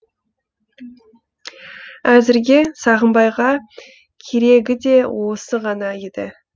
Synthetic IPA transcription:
æzɪɾɡʲe̞sɑʁəmbɑjʁɑ | kʲʰe̞ɾe̞ɡʲɪd̪e̞wo̞səʁɑnɑed̪ɪ̰

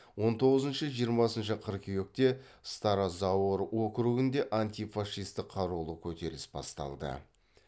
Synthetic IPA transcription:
wo̞nt̪ʰo̞ʁəzənʃəʒijəɾmɑsənʃəqʰəɾkʲʰewek̚t̪e̞ | st̪ɑɾazɑwəɾwo̞kɾuɡɪnd̪e̞ʔant̪ʲijfɑʂːijst̪ɪqʰːɑɾulˠəkʲʰɵt̪e̞ɾɪsbɑ̰st̪ɑ̰lˠd̪ə̰

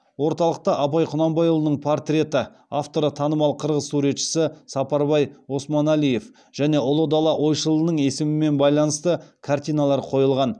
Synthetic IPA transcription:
wo̞ɾt̪ɑlˠəq̚t̪ɑʔɑpɑjqʰʊnɑmbɑjolˠənəɴpʰort̪rʲe̞t̪ɪ | aft̪o̞ɾət̪ʰɑnəmɑlˠqʰəɾʁəzsuɾe̞t̪ʃɪ̥sɪsɑpɑɾbɑjo̞smɑnælije̞f | ʒ̥æne̞ʔʊlˠəd̪ɑlˠɑʔwo̞jʃəlˠənəɴe̞sɪmɪme̞nbɑjlˠɑnəst̪əkʰart̪ijnalˠɑɾqʰo̞jəlˠʁɑn

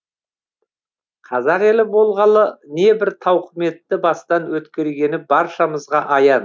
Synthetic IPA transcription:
qʰɑzɑɾe̞lɪbo̞lˠʁɑlˠəne̞bɪɾt̪ʰɑwqəme̞t̪ːɪbɑst̪ɑnwɵt̪kʲe̞ɾɡʲe̞nɪbɑɾʃɑməzʁɑʔɑjɑn

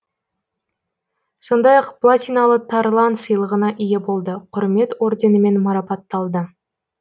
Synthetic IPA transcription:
so̞nd̪ɑjɑqplˠat̪ʲijnɑlˠət̪ʰɑɾlˠɑnsəjlˠəʁənɑʔijebo̞lˠd̪əqʰʊɾme̞t̪o̞ɾd̪ʲe̞nəme̞nmɑɾɑpɑt̪ːɑlˠd̪ə

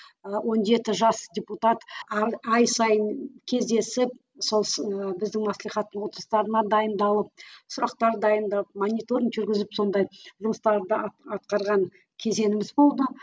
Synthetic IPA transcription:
wʔo̞nʒe̞t̪ɪʒɑsd̪ʲeput̪ɑt̪ɑjsɑjənkʲʰe̞zd̪e̞sɪp̚ | so̞lˠsbɪzd̪ɪŋmɑslijχɑt̪ːəɴwo̞t̪əɾəst̪ɑɾənɑd̪ɑjənd̪ɑlˠəp̚sʊɾɑqt̪ɑɾd̪ɑjənd̪ɑp̚monʲijt̪oɾʲiŋʒʏɾɡʲɪzɪpso̞nd̪ɑjʒʊməst̪ɑɾd̪əɑt̪̚qɑɾʁɑŋ | kʲʰe̞ze̞nɪmɪzbo̞lˠd̪ə

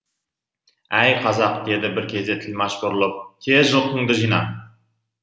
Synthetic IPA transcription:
æjqʰɑzɑqd̪e̞d̪ɪbɪɾkʲʰe̞zd̪e̞t̪ʰɪlmɑʃbʊɾlˠəp̚t̪ʲʰezʒəlˠqʰʊŋd̪əʒijnɑ̰

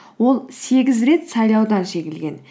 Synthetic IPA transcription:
wo̞lˠse̞ɡʲɪzɾe̞t̪sɑjlˠɑwd̪ɑnʃe̞ɡʲɪlɡʲe̞n

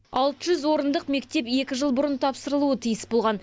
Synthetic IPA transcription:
ɑlˠt̪əʒʏzwo̞ɾənd̪əqme̞kt̪e̞pe̞kʲɪʒəlˠbʊɾənt̪ʰɑpsəɾəlˠuət̪ʰijəsbo̞lˠʁɑn

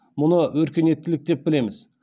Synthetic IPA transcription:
mʊnəwɵɾkʲe̞ne̞t̪ːɪlɪk̚d̪e̞p̚bɪle̞mɪz

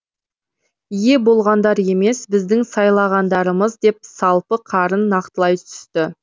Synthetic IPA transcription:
ije̞bo̞lˠʁɑnd̪ɑɾe̞me̞sbɪzd̪ɪŋsɑjlˠɑʁɑnd̪ɑɾəməzd̪e̞p̚sɑlˠpəqʰɑɾənːɑqt̪əlˠɑjt̪ʰʏ̥st̪ɪ

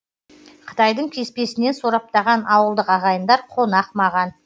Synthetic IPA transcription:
qʰə̥t̪ɑjd̪əɴkʲʰe̞spe̞sɪne̞nsoɾɑp̚t̪ɑʁɑnɑwəlˠd̪əqɑʁɑjənd̪ɑɾqʰo̞nɑqmɑʁɑn

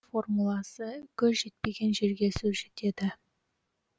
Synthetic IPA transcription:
fo̞rmulˠɑsəkʲʰɵzʒe̞t̪̚pe̞ɡʲe̞nʒe̞ɾɡʲe̞sɵzʒe̞t̪e̞d̪ɪ

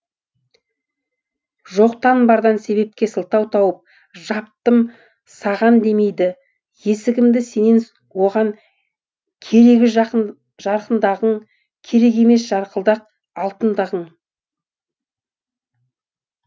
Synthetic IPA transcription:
ʒo̞qt̪ɑnbɑɾd̪ɑnse̞βe̞p̚kʲe̞səlˠt̪ɑwt̪ʰɑwəp̚ | ʒɑp̚t̪əm | sɑʁɑnd̪e̞me̞jd̪ɪ | je̞sɪɡʲɪmd̪ɪse̞nen | wo̞ʁɑŋ | kʲʰe̞ɾe̞ɡʲɪʒ | ʒɑɾqənd̪ɑʁəɴ | kʲʰe̞ɾe̞ɡʲe̞me̞sʒ̥ɑɾqəlˠd̪ɑq̚ | ɑlˠt̪ənd̪ɑʁəɴ

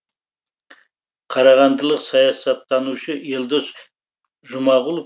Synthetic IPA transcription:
qʰɑɾɑʁɑnd̪əlˠəqsɑjɑsɑt̪ːɑnuʃəeld̪os | ʒʊmɑʁʊlˠ

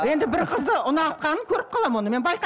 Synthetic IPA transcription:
je̞nd̪ɪbɪɾqʰəzd̪əʔʊnɑt̪̚qɑnəŋkʲʰɵɾɪp̚qʰɑlˠɑmwo̞nəme̞nbɑjq

